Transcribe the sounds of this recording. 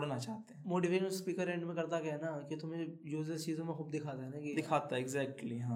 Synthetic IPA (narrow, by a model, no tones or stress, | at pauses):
ɽnat͡ʃaːɦt̪eɦɛ̃moːʈiʋeːʃənspiːkəɾɛ̃ːɳɖmẽkɐɾt̪akɛɦɛnakit̪ʊmẽjuːzet͡ʃiːzõmẽxuːbd̪ɪkʰaːt̪aɦɛnakid̪ɪkʰaːt̪aɦɛɪɡzɛːk̚ʈliɦãː